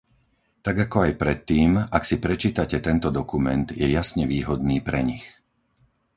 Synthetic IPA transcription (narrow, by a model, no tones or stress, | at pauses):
t̪aɡakɔajpɾɛt̪ːiːmaksipɾɛt͡ʃiːt̪acɛt̪ɛnt̪ɔd̪ɔkumɛnd̪jɛjasɲɛʋiːɦɔd̪niːpɾɛɲix